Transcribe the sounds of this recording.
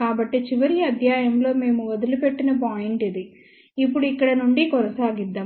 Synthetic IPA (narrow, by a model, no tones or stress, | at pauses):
kaːbɐʈːet͡ʃiʋɐɾiɐd̪ʱjaːjɐmlo̞ːme̞ːmuɐd̪ilupeʈːinɐp̬aːjiɳʈid̪i | ipːuɽuikːɐɽɐnuɳɖikɔnɐsaːɡid̪ːaː